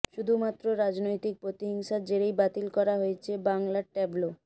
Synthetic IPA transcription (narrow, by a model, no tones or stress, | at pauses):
ʃud̪ʱumat̪ːɾoɾad͡ʑnojt̪ik̚pɾot̪iɦiŋʃad͡ʑeɾejbat̪ilkɔɾaɦojet͡ɕʰebaŋlaʈeblo